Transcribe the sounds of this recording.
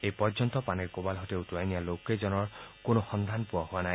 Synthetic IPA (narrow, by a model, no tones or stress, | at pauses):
ejpɔɹd͡ʒɔnt̪ɔpaneɹkobalɦɔt̪eutuajnialoked͡ʒɔnɔɹkonoxɔnd̪ʱanpuahuanaj